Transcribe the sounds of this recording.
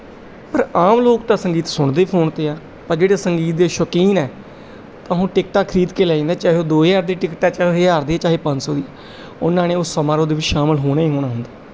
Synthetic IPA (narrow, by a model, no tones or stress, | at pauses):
pəɾaːmloːk̚t̪ãːsəŋɡiːt̪sʊɳd̪eːpʰoːɳt̪eːaː | pəɾd͡ʒeːɽeːsəŋɡiːt̪̚d̪eːʃəkiːnɛː | t̪ãːɦõːʈɪkʈaːkʰɾiːd̪keːlaːĩːnd̪aːt͡ʃaːɦoːd̪oːjaːɾd̪iːʈɪkʈaːt͡ʃaːɦeːaːɾd̪eːɛːt͡ʃaːɦeːpə̃nsoːd̪iaː | ʊnːãːnẽːʊsːəmaːɾoːd̪eːʋɪt͡ʃːʃaːməlɦoːɽaːiːɦoːnaːɦʊnd̪aː